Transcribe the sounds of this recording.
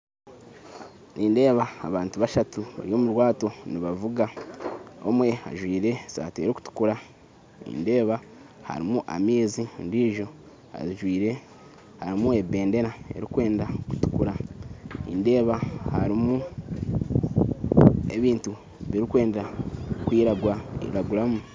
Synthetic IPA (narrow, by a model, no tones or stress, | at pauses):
nʔiːnde̞ːβaːβaːntuβaʃatuβa̰ɾjo̞ːmuɾwaːto̞niβavuɡa | o̰mwe̞ha̰ʒwiːɾe̞sa̰ːteːɾoku̥tu̥kuɾa | nḭnde̞ːβa | ha̰ɾimuʔa̰miːzindiːʒo̞ | ha̰ziʒwiːɾe̞ | haɾimuebe̞ːnde̞ɾae̞̰ɾikwe̞ːndaku̥tu̥kuɾa | ḭnde̞ːβahaɾimu | e̞̰βiːntu | βiɾikwe̞ːndakwiːɾaɡwaḭɾaɡuɾamu